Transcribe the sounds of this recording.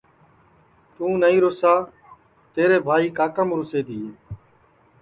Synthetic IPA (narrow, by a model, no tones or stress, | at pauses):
t̪ũːnəĩːɾoːsaː | t̪eːɾeːbʱaːiːkaːkəmɾʊseːd̪iːɦeː